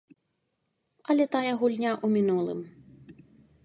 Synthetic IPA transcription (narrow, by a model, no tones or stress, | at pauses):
ɐlʲɛt̪ajɐɣulʲnʲaʔumʲinulˠɨ̰m